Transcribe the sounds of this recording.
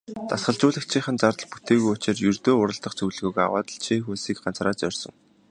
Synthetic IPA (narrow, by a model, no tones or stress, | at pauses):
t̪asχə̆ɮt͡ɕʊːɮə̆kt͡ɕʰiːχə̆nt͡sart̪ə̆ɮput̪eːɣujʊt͡ɕɪ̆rjɵrt̪oːʊɾə̆ɮt̪ə̆χt͡sʰɵɮ̆ɣɵ̆ka̰wa̰ːt̪ə̆ɮt͡ɕʰiːxuːsiːk̚ɢant͡sraːt͡sœrʲsɞ̆ŋ